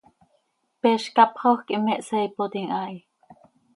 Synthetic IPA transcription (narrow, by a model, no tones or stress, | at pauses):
pɛʃkɑpχoxkimɛʔsɛipot̪iŋʔai